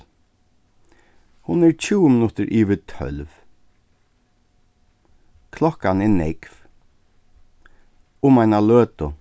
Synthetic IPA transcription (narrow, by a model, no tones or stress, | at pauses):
hʊnɛɾt͡ʃʰuːəmɪnʊt̪ɪɾʔiːʋɪt̪ʰœ̰lv | kʰlɔhkanɛnɛkv̥ | ʊmajnaløːt̪ʊ